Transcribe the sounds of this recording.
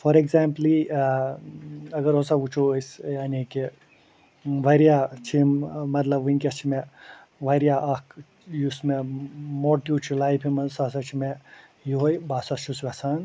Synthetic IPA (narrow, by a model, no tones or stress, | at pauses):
fʰɔɾekzaːmpli | ɐɡəɾosaut͡ʃʰosjaːniki | ʋɐɾijat͡ʃʰimɐt̪lɐbunʲkʲet͡ʃʰime | ʋɐɾijaʔɐk | jusmemoɾʈiut͡ʃʰulaːjpʰimɐnsasɐt͡ʃʰime | jiɦojbaːsɐt͡ʃʰusʋɛsaːn